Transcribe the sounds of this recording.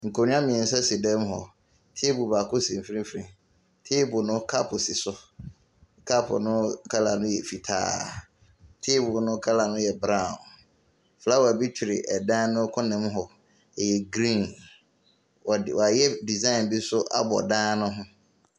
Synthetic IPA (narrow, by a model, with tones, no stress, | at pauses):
ŋ̩˨kʰo˨nʊ̃˦ã˦mĩ˨ɛ˨n̩˨sɛ˦si˨dɛ̃˦m˦ɦɔ̰˨ | tʰɪ˦bu˨ba˨kʰʊ˦sĩ˨m˨fɾĩ˦fɾĩ˨ | tʰɪ˦bʊ˨nʊ̃˦kʰa˦pʰʊ˨sɪ˨sʊ˦ | kʰa˦pʰʊ̰˨nʊ̃˦kʰa˦la˨nʊ̃˦jɛ˨fi˨tʰa̰ː˦ | tʰɪ˦bʊ˨nʊ̃˦kʰa˦la˨nʊ̃˦jɛ˨bɾã˦˨n | fa˦wɔ˨a˨bi˦t͡ɕʰᶣi˨ɾɪ̰˨ʔɛ˨dã˦nʊ̃˦kʰʊ̃˦nɪ̃˨˦m˦ɦɔ˨ | jɛ˨ɡɾĩ˦˨n˨ | wa˨jɛ˦di˨zã˦ɪ˨nbi˦sʊ˦ʔa̰˦bɔ̰˨dãː˦nʊ̃˦ɦʊ̃˦